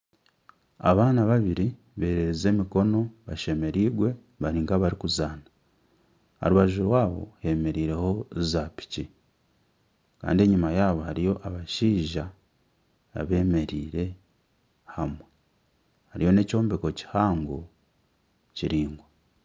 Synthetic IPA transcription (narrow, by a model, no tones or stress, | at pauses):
a̰βaːnaβaβiɾi | βe̞ːɾeɾeze̞ːmiko̞no̞βaʃe̞me̞ɾiːɡwe̞ | βaɾiːŋkaβaɾikuzaːna | a̰ɾuβaʒuɾwaːβo̞̰he̞me̞ɾiːɾe̞ho̞zapi̥ci | ka̰ːndie̞ɲimajaːβo̞haɾijo̞ʔaβaʃiːʒaː | βe̞ːme̞ɾiːɾe̞ | hamwe | haɾijo̞ne̞co̞ːmbeko̞ci̥haːŋɡo | ciɾiːŋɡwa